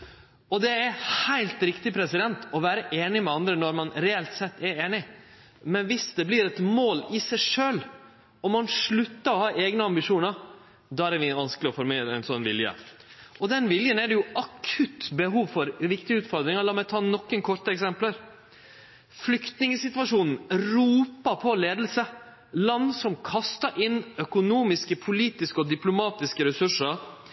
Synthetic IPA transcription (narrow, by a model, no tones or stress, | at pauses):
ɔd̪ɛæɾhæɪlt̪ɾɪkt̪ɪpʰɾɛsɪd̪ɛnt̪ɔʋæːɾəʔeːnɪmɛɑnd̪ɾənɔɾmɑnɾɛɛlt̪sɛt̪ːɛɾeːnɪ | mɛnʋɪsd̪ɛbliːɾɛt̪moːlɪsæɪʂøːl | ɔmːɑnʂɭʉt̪ːəɾɔhɑːʔeːɡnəɑmbɪʂuːnəɾ | d̪ɑæɾɛɾʋɪʋɑnsklɪɔfɔɾmeːɾəɛɪnsɔnːʋɪljə̰ | ʔɔd̪ɛnʋɪljənæɖ̪ɛjʊɑkʰʉt̪ːbəɦuːʋfɔɾʋɪkt̪ɪʉːt̪fɔɾd̪ɾɪŋɑɾlɑːmɛt̪ʰɑːnɔkːənkʰɔɾt̪əɛksɛmpləɾ | flʏkt̪nɪŋəsɪt̪ʋɑʂuːnn̩ɾuːpəpʰɔleːd̪əlsə | lɑnd̪sɔmkʰɑst̪əɾʔɪnːœkʊnuːmɪskəpʰʊliːt̪ɪskəɔd̪ɪplʊmɑːt̪ɪskəɾɛsʉʂəɾ